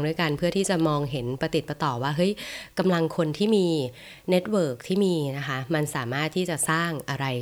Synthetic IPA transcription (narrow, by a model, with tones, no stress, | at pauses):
ŋdu˥˩əjka˧npʰɯ˥˩ɐt̪ʰiː˥˩t͡ɕa˨˩mɔː˧ŋɦe˩˦npɾa˧t̪i˨˩t̪̚ba˧t̪ɔː˨˩waː˥˩ɦɤ˦˥jka˧mla˧ŋkʰo˧nt̪ʰiː˥˩miː˧ | ne˦˥t̪̚wɤː˨˩k̚t̪ʰiː˥˩miː˧na˦˥kʰa˦˥ma˧nsaː˩˦maː˥˩t̪ʰːiː˥˩t͡ɕa˨˩saː˥˩ŋʔa˧ɾa˧j